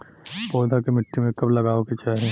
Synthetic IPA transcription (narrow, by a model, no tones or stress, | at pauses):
pɔːd̪ʱakemɪʈːimẽkɐblɐɡaːoket͡ʃaːɦiẽ